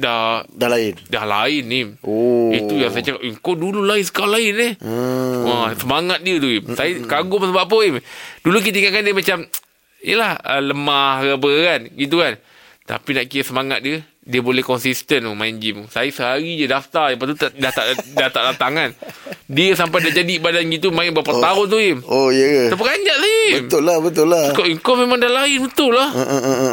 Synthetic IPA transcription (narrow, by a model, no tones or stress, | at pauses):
dahdlɪndahla̰ɪnimoit̪ujaŋsad͡ʒakaʔiŋkodululainsə̥kalaɪnih | asəmaŋat̪̚diət̪uimsajəkaɡʊmsəbaʔpoimduluk̬it̪aəiŋaʔkandiəmat͡ʃam | ijəlahə̰ləmahɾəbəɣanɡit̪̬ukan | t̪a̰pinaʔkiəsəmaŋat̪̚diə | diəbolɛhkɔnsist̪ənumaɪnd͡ʒimusajəsəɦaɾid͡ʒədaft̪ardəpat̪ut̪adat̪a̰ʔdat̪aʔdat̪aŋandiəsampajdad͡ʒadiibadanɡit̪umaɪnbəapət̪aʊnt̪uɪmojəəsap̬əɡaɲd͡ʒaʔsajəibəmt̪ʊlabət̪ʊlakoʔəŋkowmemãŋdalaɪnbət̪ʊlːah